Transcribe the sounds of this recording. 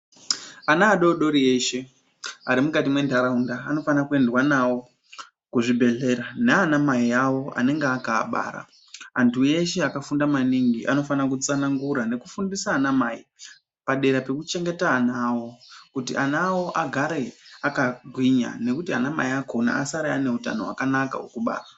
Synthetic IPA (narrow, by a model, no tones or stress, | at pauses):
anaːɗo̞ɗo̞ɾieʃe̞ | aɾimukatimwe̞ndaɾaundaːno̞fanakue̞ndwanawo̞ | kuʐibʱe̞ɮe̞ɾaneanamaiawo̞a̰ne̞ŋɡeaka̰ːɓa̰ːɾa̰ː | ntʰue̞ʃe̞akafundamaniŋɡiʔa̰no̞fanakut͡sanaŋɡuɾane̞kufundisaːnamai | paɗe̞ɾape̞kut͡ʃe̞ŋɡe̞taːnaawo̞kutiʔanawo̞ʔaɡʱaɾe̞akaɡʱwiɲa̰ne̞kutianamaiako̞na̰ʔasaɾajane̞uta̰noɦwa̰kanaka̰ukuɓa̰ːra